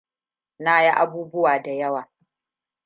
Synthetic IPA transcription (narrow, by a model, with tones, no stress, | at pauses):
naː˦ji˦ʔa˦buː˦bʊ˦waː˨da˨jɐ˦waː˨